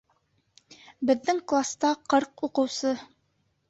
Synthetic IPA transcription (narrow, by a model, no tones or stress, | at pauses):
bɘ̆ðːɘŋklˠast̪ɑqɤɾquqɤ̆wsɤ